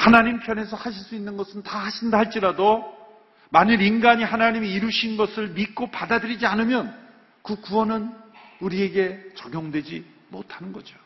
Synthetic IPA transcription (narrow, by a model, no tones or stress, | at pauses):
hanaɲimpʰjʌne̞sʰʌhaɕʰiɭs͈uinːɯnɡʌsʰɯntahaɕʰindaɦaɭt͡ɕ͈iɾado | maɲɯɾinɡaɲihanaɲimiiɾuɕʰinnɡʌsʰɯɭmik͈opadadɯɾid͡ʑianɯmjʌn | kɯkuʌnɯnuɾie̞ɡe̞t͡ɕʌɡjoŋdwe̞d͡ʑi | mo̰tʰanɯnɡʌd͡ʑo